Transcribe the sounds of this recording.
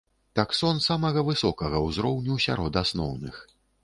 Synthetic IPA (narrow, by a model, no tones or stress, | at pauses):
t̪aksɔnsamɐɣɐvɨsɔkɐɣɐwzɾɔwnʲuwsʲa̰ɾɔd̪asnɔ̰wnɨ̰x